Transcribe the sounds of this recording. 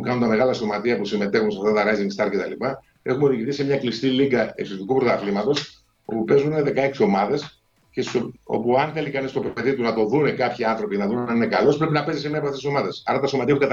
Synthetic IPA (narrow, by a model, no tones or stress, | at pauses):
kɐnunt̪ɐme̞ɣɐlɐso̞mɐt̪iɐpusime̞t̪e̞xunseɐft̪ɐt̪ɐɾɐziŋɡst̪ɐɾce̞t̪ɐlipɐ | e̞xumeo̞ðiʝiθise̞mɲɐklist̪iliŋɡɐḛksit̪ikupɾot̪ɐθlimɐt̪o̞s | o̰pupe̞zunineðe̞kɐeksio̞mɐðe̞s | cesso̞̰puɐnθe̞likɐnist̪opeeðit̪unɐt̪o̞ðunekɐpçiɐnθɾo̞pinɐðunɐninekɐlo̞spɾe̞pinɐpe̞zisemeɐpɐft̪esiso̞mɐðe̞sɐ̰ɾɐt̪ɐsomɐt̪iɐpukɐt̪